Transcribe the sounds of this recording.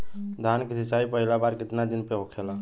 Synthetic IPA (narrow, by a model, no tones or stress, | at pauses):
d̪ʱankisʰit͡ʃaipəɦilabaɾkɪt̪nad̪inpeɦokʰela